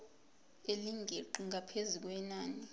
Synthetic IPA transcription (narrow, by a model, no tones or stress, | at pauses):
eliŋɡʱeǃuŋapʰezuk̬wɛnaːni